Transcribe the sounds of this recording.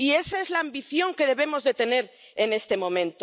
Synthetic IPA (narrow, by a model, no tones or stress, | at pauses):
ie̞saezlaːmbiθjo̞ŋke̞ð̞e̞β̞e̞mo̞zðet̪e̞ne̞ɾ | ene̞st̪e̞mõ̞mẽ̞nt̪o